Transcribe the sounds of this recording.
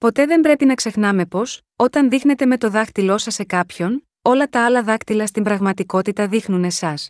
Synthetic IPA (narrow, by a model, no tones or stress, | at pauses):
po̞t̪e̞ðe̞mbɾe̞pinɐkse̞xnɐme̞po̞s | o̞t̪ɐnðixne̞t̪e̞me̞t̪o̞ðɐxt̪ilo̞sɐse̞kɐpço̞n | o̞lɐt̪ɐɐlɐðɐkt̪ilɐst̪imbɾɐɣmɐt̪iko̞t̪it̪ɐðixnune̞sɐs